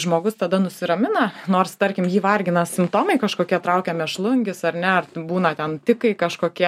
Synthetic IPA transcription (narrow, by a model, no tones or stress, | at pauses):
ʒmoːɡʊst̪ɐd̪ɐnʊsʲɪɾɐmʲɪnɐnoːrst̪ɐɾʲkʲɪmjiːʋɐrʲɡʲɪnɐsʲɪmpt̪oːmɐɪkɐʃkoːkʲiɛt̪ɾɐʊkʲɛmʲɛʃlˠʊŋʲɡʲɪsɐɾnʲɛɐrbuːnɐt̪ʲɛnt̪ʲɪkɐɪkɐʃkoːkʲiɛ